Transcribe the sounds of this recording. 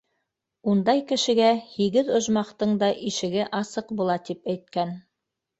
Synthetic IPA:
und̪ɑjkɘ̆ʃɘ̆ɡæhiɡɘðŏʒmɑqt̪ɤɴd̪ɑʔiʃɘ̆ɡɘʔɑsɤqbulˠɑt̪ipæjt̪̚kæn

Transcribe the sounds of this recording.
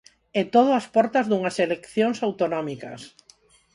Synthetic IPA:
et̪oð̞ʊaspɔɾt̪ɐzðuŋɐselekθjoŋsawt̪onɔmikɐ̰s

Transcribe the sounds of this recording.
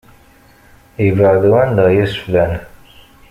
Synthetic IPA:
ivəʕðwænd̪ɑjəsflæn

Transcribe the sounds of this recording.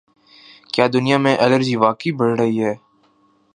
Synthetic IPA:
kjaːd̪ʊnijamẽʔɛləɾd͡ʒiːʋaːkibɐɽɾəɦiɦɛː

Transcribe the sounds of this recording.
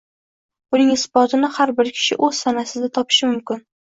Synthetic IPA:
ʊnɪŋɪsbɒt̪ɪnɪhaɾbɪɾkʲʰɪ̥ʃɪ̰ʔɵz̥sanasɪd̪at̪ʰɒpʰɪ̥ʃɪmʊmkʲɪn

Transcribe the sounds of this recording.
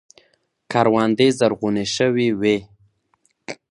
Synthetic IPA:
kaɾwɑnd̪ezaɾɣuneʃəwiwe

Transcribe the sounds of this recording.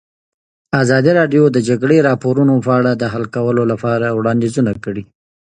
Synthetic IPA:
azɑd̪iɾɑɖjod̪əd͡ʒaɡɽeɾɑpoɾunopəaɽad̪əɦalkawəlolapɑɾawɽɑnd̪ezunakəɽi

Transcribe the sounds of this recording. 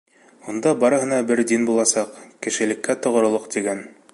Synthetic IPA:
und̪ɑbɑɾɤ̆ɦɤ̆nɑbɘɾd̪inbulˠɑsɑqkɘ̆ʃɘ̆lɘ̆kːæt̪ŏʁŏɾŏlˠoqt̪iɡæn

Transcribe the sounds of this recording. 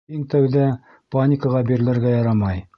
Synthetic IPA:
iŋt̪æwðæ | panʲɪkəʁɑbiɾɘ̆lɘ̆ɾɡæjɑɾɑmɑj

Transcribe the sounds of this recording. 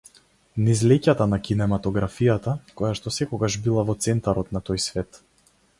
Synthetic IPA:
nizlɛcat̪anakinɛmat̪ɔɡɾafijat̪akɔjaʃt̪ɔsɛkɔɡaʒbilˠavɔt̪sɛnt̪aɾɔt̪nat̪ɔjsvɛt̪

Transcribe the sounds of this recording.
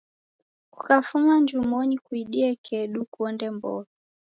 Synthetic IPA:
ku̥kafumand͡ʒumɔnikuiɗiɛkʰɛɗukuɔndɛmbɔ̰ka

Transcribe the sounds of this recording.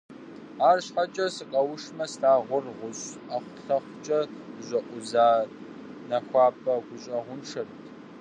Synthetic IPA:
aːrɕħat͡ʃʼɐsɨqʼɐwʊʂmɐstaːʁʷʊrʁʷʊɕɐχʷʊɬɐχʷʊt͡ʃʼɐʑɐʔʷʊzaː | nɐxʷɑːpʼɐɡʷʊɕʼɐʁʷʊnʂʰɐrtʰ

